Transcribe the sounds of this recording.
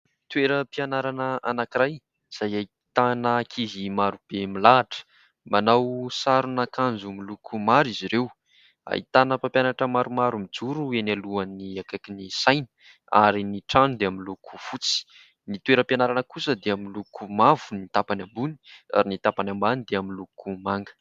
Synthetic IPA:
t̪weɾəpianaɾanəanakiɾaj | iz̥ajai | t̪anəkʰiɦimaɾub̥emilaːʈ͡ʂə̥ | manawsaɾunakand͡zumilukʰumaɾiziɾew | a̰ḭt̪anəpampjanaʈ͡ʂəmaɾumaɾumid͡zuɾuenaluaniakakinisajnə̥ | a̰ɾiniʈ͡ʂanud̪eamilukʰu̥fut͡si̥ | nit̪ueɾəpjanaɾanəkusəd̪eamilukumavunit̪apanambuni̥a̰ɾinit̪apanambanid̪eamilukumaŋɡə̥

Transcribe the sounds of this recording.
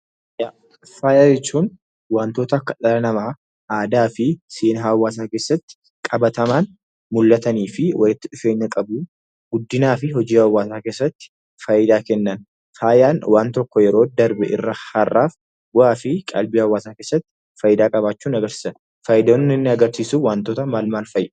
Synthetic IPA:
ja | faːjaːjɛt͡ʃːuːn | waːnt̪o̞ːt̪ɐːkːɐᶑɐlɐnɐmaː | aːd̪aːfɪseːnɦɐwːaːs̬aːke̞ːsːɐt̪ːɪ̥ | kʼɐbɐt̪ɐmaːn | mʊlːɐt̪ɐniːfɪwɐlɪt̪ːɪᶑʊfe̞ːɲːɐkʼɐbʊ | ɡ̥ʊd̪ːɪnaːfɪɦɔd͡ʒiːwɐwːaːsaːkeːsːɐt̪ːɪ̥ | fɐjɪd̪aːkɛnːɐn | faːjaːnwaːnt̪ɔkːɔjɛɾo̞ːd̪ɐɾbɛʔɪ̰rːɐhɐrːa̰ːf | waːfɪkʼɐ̰lbiːhɐwːaːsaːkeːsːɐt̪ːɪ̥ | fɐjɪd̪aːkʼɐbaːt͡ʃːuːnɐɡɐɾsiːsɐ | fɐjɪd̪onːɪnːɪɐɡɐɾsiːsuwaːnt̪oːt̪ɐmaːlmaːlfɐjː

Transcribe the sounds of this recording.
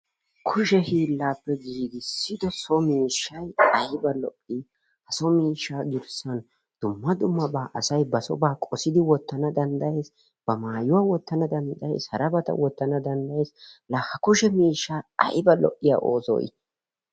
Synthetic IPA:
kʰʊʃɛhiːlːaːpːɛɡiːɡɪsːɪd̪ɔsɔmiːʃːɐjɐjbɐlɔ̰ʔːi | hɐsɔmiːʃːaːɡɪɾsɐn | d̪̥ʊmːɐd̪ʊmːɐbaːʔɐsɐjbɐsɔ̰baːkʼɔsɪd̪ɪwɔt̪ːɐnɐd̪ɐnd̪ɐje̞ːs | b̥ɐmaːjʊwaːwɔt̪ːɐnɐd̪ɐnd̪ɐje̞̰ːshɐɾɐbɐt̪ɐ̰wɔt̪ːɐnɐd̪ɐnd̪ɐjeːslɐhɐkʊʃɛmiːʃːaːɐ̰jbɐlɔ̰ʔːɪja̰ːʔo̞̰ːsɔ̰jɪ̰

